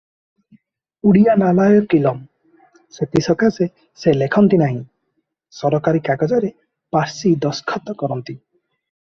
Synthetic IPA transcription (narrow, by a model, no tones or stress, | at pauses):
uɽijanalajɔkilɔm | set̪isɔkʰase | selekʰɔnt̪inaɦĩ | sɔɾɔkaɾikakɔd͡ʒɔɾe | paɾsid̪ɔskʰɔt̪ɔkɔɾɔnt̪i